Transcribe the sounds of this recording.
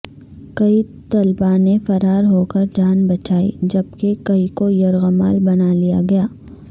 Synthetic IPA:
kɐit̪ɐlbanefɐɾaːɾɦoːkɐɾd͡ʒaːnbɐt͡ʃaːḭd͡ʒɐbkekɐikojɐɾɣəma̰ːlbɐnalija̰ɡɐjaː

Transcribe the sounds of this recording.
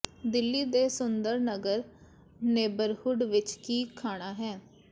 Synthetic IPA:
d̪ɪlːiːd̪eːsʊnd̪əɾnəɡəɾ | neːbəɾhʊɖʋɪt͡ʃkiːkʰaːɽ̃aːɦɛː

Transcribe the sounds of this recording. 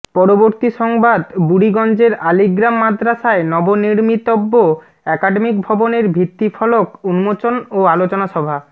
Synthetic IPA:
pɔɾoboɾt̪iʃɔŋbad̪buɽiɡɔnd͡ʑeɾaliɡɾamːad̪ɾaʃaenɔboniɾmit̪obːo | ɛkaɖemik̚bʱɔboneɾbʱit̪ːifʰɔlokunumot͡ɕonoalot͡ɕonaʃɔbʱa

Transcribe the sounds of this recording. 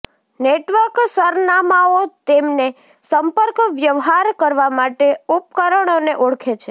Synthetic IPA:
neʈʋəɾksəɾnamaot̪emne | səmpəɾkʋjəʋɦaɾkəɾʋamaʈeup̚kəɾəɳ̃oneʔoɽkʰet͡ʃʰe

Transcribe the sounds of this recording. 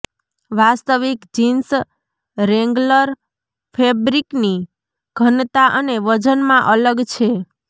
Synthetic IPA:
ʋast̪əʋikd͡ʒins | ɾɛŋɡləɾ | pʰebɾikni | ɡ̥ʱənt̪aʔəneʋəd͡ʒənmãʔələɡt͡ʃʰe

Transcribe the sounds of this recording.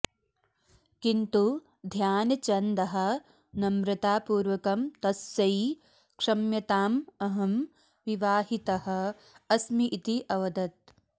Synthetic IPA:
kint̪u | d̪ʱjaːnɐt͡ʃɐnd̪ɐɦɐ̆ | nɐmɾɨt̪aːpuːɾʋɐkɐmt̪ɐsjɐj | kʂɐmjɐt̪aːmɐɦɐm | ʋiʋaːɦit̪ɐhɐ̆ | ɐsmiʔːt̪iʔɐʋɐd̪ɐt̪̚

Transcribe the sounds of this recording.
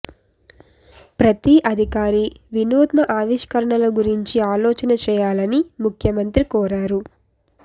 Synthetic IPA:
pɾɐt̪iʔɐd̪ʱikaːɾiʋinuːd̪nɐʔaːʋiʃkɐɾɐɳɐlɐɡuɾiɲt͡ʃiaːlɔːt͡ʃɐnɐt͡ʃɛːjaːlɐnimukʰjɐmɐnt̪ɾikɔːɾaːɾu

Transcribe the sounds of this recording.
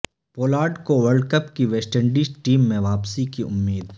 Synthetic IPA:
poːlaːɾɖkoʋɐɾɖkəpkiʋeːsʈəɳɖiːsʈiːmːẽʋaːpsikiʔʊ̰mːiːd̪

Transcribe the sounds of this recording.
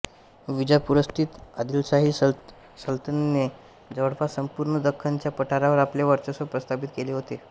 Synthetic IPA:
ʋid͡ʑapuɾəst̪ʰiːt̪ad̪ilsaɦi | səlt̪ənne | d͡zəʋəɽpasəmpuɾɳəd̪əkʰːaɲt͡ɕjapəʈʰaɾaʋəɾapljaʋəɾt͡ɕəsəpɾəst̪apit̪keleɦot̪e

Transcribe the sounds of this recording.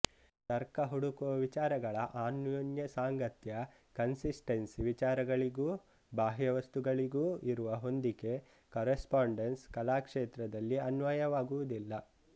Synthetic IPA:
t̪ɐɾkɐɦuɽukuʋɐʋit͡ʃaːɾɐɡɐɭɐʔaːnjonjɐsaːŋɡɐt̪jɐ | kɐnsisʈensiʋit͡ʃaːɾɐɡɐɭiɡuː | baːɦjɐʋɐst̪uɡɐɭiɡuːiɾuʋɐɦo̞nd̪iɡe̞ | kɐːɾespaːɳɖenskɐlaːkʂeːt̪ɾɐd̪ɐlːiɐnʋɐjɐʋaːɡuʋud̪ilːɐ

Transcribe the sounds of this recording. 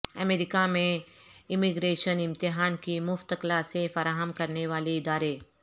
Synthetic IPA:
ɐmeːɾɪkamẽɪmɪɡɾeːʃənɪ̃mt̪ɪɦaːnkimʊft̪əklasefɐɾaːɦəmkɐɾneʋaːleɪd̪aːɾe

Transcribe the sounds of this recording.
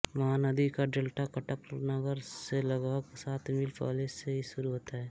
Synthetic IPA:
ʋɐɦãnɐd̪ikaɖeːlʈakɐʈəpnəɡəɾselɐɡaksaːt̪ʰmilpa̰ːleseɦiʃʊɾuɦoːt̪aɦɛː

